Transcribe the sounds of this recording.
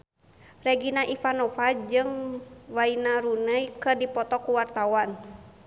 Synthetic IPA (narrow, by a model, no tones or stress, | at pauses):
rɛɡinaʔifanɔfad͡ʒɨŋwainaɾunəikədipɔt̪ɔkuwart̪awan